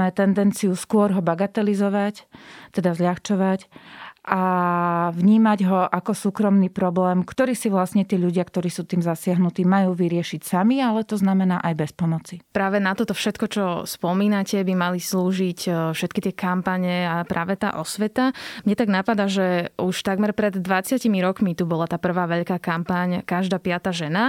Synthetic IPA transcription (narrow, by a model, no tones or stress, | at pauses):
mɛt̪ɛnd̪ɛnt͡siuskʊɔɾɦɔbaɡat̪ɛlizɔʋact̪ɛd̪azʎaxt͡ʃɔʋacʔa | ʋɲiːmaɟɦɔʔakɔsuːkɾɔmniːpɾɔblɛːmkt̪ɔɾiːsiʋlasɲɛt̪iːʎuɟɪakt̪ɔɾiːsuːt̪iːmzasɪaɦnut̪iːmajuːʋiɾɪɛʃicsamialɛt̪ɔznamɛnaːʔajbɛspɔmɔt͡sipɾaːʋɛnat̪ɔt̪ɔfʃɛt̪kɔt͡ʃɔspɔmiːnacɛbimalisluːʒicfʃɛt̪kit̪ɪɛkampaɲɛapɾaːʋɛt̪a̰ːʔɔsʋɛt̪amɲɛt̪aɡnapad̪aʒɛuʃt̪aɡmɛɾpɾɛd̪ːʋat͡sɪacimiɾɔkmit̪ubɔlat̪aːpr̩ʋaːʋɛʎkaːkampaɲkaʒd̪aːpɪat̪aːʒɛna